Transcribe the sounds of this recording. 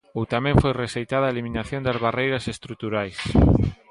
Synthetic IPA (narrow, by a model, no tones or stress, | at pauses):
owt̪amɛ̃ɱfojreʃejt̪aðɐaeliminaθjõnd̪ɐzβarejɾɐsest̪ɾut̪uɾajs